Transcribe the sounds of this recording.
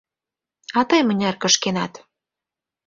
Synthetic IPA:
ɑt̪ɤjmə̆nʲærkə̆ʃkenɑt̪

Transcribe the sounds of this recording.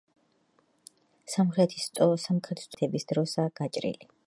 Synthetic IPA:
samχɾɛt̪ʰist̪ʼɔsamχɾɛt̪ʰst̪ʼt̪ʰɛbisd̪ɾɔsaɡ̥at͡ʃʼɾḭli

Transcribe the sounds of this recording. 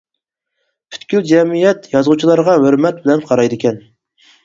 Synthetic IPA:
pʰy̥t̪kʲyld͡ʒɛmijɛt̪jɑzʁut͡ʃʰilˠɑɾʁɑɦøɾmɛt̪̚bɪlɛnqʰɑɾɑjd̪ɪkʲɛn

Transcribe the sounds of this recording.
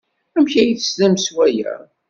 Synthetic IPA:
æmçæjiθəsðæmswæjæ̰

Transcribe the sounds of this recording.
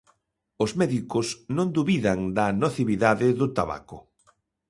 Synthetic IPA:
ʊzmɛðikosnõnd̪uβiðaŋd̪ɐnoθiβiðaðɪðʊt̪aβa̰kʊ

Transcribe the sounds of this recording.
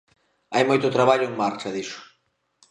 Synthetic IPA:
ajmojt̪ʊt̪ɾaβaʎʊeŋmaɾt͡ʃɐðiʃʊ̥

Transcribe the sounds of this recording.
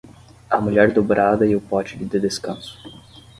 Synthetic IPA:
ɐmuʎɛɾd̪obɾʔad̪ɐiʊpɔt͡ʃɪdɪd̪ɪd̪eskɐ̃sʊ̥

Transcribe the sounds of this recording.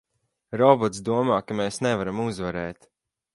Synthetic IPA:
ɾɔbɔt̪sd̪uɔmaːkameːsnɛvaɾamuzvaɾɛːt̪

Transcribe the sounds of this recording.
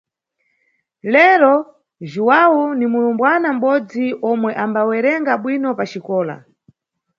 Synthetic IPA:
lɛɾɔ | ʒuwawunimulumbwanam̩ɓɔd͡ziʔɔmwɛʔambawɛɾɛŋɡaɓwinɔpat͡ʃikɔːla̰

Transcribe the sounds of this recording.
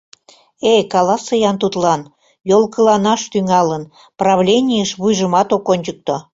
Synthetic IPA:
ekɑlɑsɤjɑnt̪ut̪lɑn | jolkəlɑnɑʃt̪yŋɑlən | prɑβlʲenʲijəʃβujʒəmɑt̪okonʲt͡ɕək̚t̪o

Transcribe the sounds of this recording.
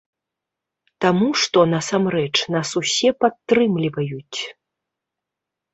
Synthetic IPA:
t̪amuʂt̪ɔnasamɾɛt͡ʂnasusʲɛpat̪ːɾɨmlʲivɐjut͡sʲ

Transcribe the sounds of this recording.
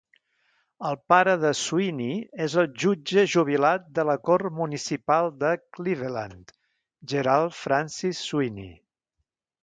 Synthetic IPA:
əlˠpaɾəðəsuiniezəlˠʒud͡ʒəʒuβ̞ilat̪̚d̪ələkormunisipalˠd̪əkliβəlant̪ | ʒəɾalˠfɾansisːuinḭ

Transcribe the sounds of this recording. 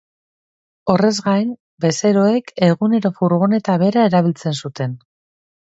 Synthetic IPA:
o̞re̞zɣajn | be̞se̞ɾo̞e̞ke̞ɣune̞ɾo̞fuɾɣ̞one̞t̪aβe̞ɾae̞ɾaβilt͡se̞nsut̪e̞n

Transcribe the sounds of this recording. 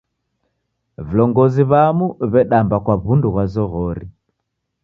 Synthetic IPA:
vilɔŋɡɔziβamuβɛɗambakwaβunduɣwazɔɣɔɾi

